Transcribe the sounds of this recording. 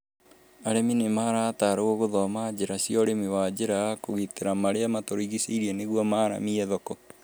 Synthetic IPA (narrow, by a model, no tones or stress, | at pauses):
aɾɛminemaɾaːtaɾooɣoðɔmaːd͡ʑeɾasjɔɾemiwad͡ʑeɾakoɣiteɾamaɾeamatoɾiɣiseiɾiɛneɣwɔmaːɾa̰miɛðɔkɔ